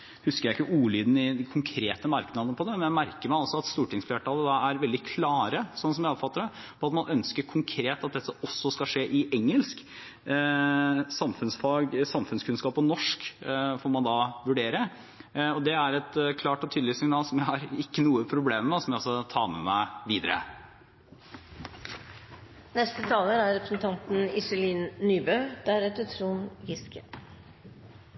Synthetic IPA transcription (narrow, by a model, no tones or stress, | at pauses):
hʉskəjæɪɪkːəʔuːlyːd̪n̩ɪkʰʊŋkʰɾeːt̪əmɑɾknɑd̪ənəpʰɔd̪ɛmmɛnjæɪmæɾkəɾmæɪɔlsɔɑt̪st̪uːʈɪŋsfleːʈʰɑːləd̪ɑæɾʋɛld̪ɪkʰlɑːɾəsɔnːəsɔmjæɪɔpfɑt̪ːəɖɛ | pʰɔɑt̪mɑnʔœnskəɾkʰʊŋkʰɾeːt̪ɑt̪̚d̪ɛt̪ːəɔsːɔskɑʂeːʔɪʔɛŋːəlsk | sɑmfʉnsfɑɡsɑmfʉnskʰʉnskɑːpɔnɔʂkfɔɾmɑnd̪ɑʋʉɖeːɾə | ɔd̪ɛæɾɛt̪kʰlɑːʈɔt̪ʰyːd̪lɪsɪŋnɑːlsɔmjæɪhɑɾɪkːənuːəpʰɾʊbleːmmɛsɔmjæɪɔsːɔt̪ʰɑːmɛ̰mæ̰ɪʋiːd̪əɾə̰ | nɛst̪ət̪ʰɑːləɾæɾɾɛpɾəsn̩t̪ʰɑnt̪n̩ɪsəliːnːyːbœʉd̪̥æɾɛt̪œt̪ʰɾuːnɡɪskʰə